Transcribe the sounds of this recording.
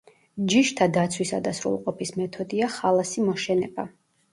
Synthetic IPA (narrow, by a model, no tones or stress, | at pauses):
d͡ʒiʃt̪ʰad̪at̪sʰwisa̰d̪asɾṵlˠqʼɔpʰismɛt̪ʰɔd̪iaχalˠasimɔʃɛnɛb̥a